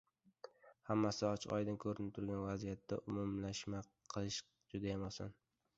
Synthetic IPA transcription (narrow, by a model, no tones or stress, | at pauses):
hamːasɪɒt͡ʃʰɒ̰jd̪ɪnkʰɵɾɪnɪp̚t̪ʰʊɾɡʲanvazijat̪ːaʔʊmʊmlaʃma | qʰɨlˠɪʃ | d͡ʒʊd̪ajamɒsa̰n